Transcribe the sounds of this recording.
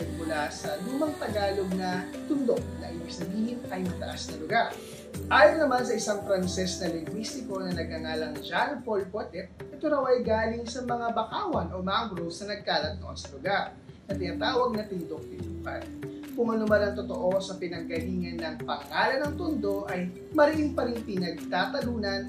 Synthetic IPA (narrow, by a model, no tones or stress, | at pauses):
mʊlasɐluːmɐŋt̪ɐɡaːlo̞ɡ̚nɐ | t̪ʊnd̪o̞k̚nɐ̰ʔɪjɛsnɐɡiːhɪnʔɐjmɐt̪ɐ̰ʔasnɐlʊɡaɾ | ʔaːjonnɐmansɐʔɪsaŋpɾɐnsɛsnɐlɪŋɡwist̪ɪko̞nɐnɐɡ̚hɐŋaːlɐŋd͡ʒanpolpot̪ɛʔɛt̪oɾɐwʔɐjɡaːlɪŋsɐmɐŋabɐkaːwɐnʔo̞maŋɡɾosɐnɐɡ̚k̪aːlɐt̪̚oʔonsɐlʊɡaɾ | sɐt̪ɪnaːt̪aːwɐɡ̚nɐt̪ɪnd̪ok̚t̪ɪnuːhan | kʊŋmɐnomɐlɐŋt̪ot̪o̞ʔo̞sɐpɪnɐɡ̚kɐliːŋɐnːɐŋpɐŋːaːlɐnɐŋt̪ʊnd̪o̞ʔɐj | mɐɾɪʔɪnpɐɾɪŋpɪnɐɡ̚t̪aːt̪ɐluːnɐn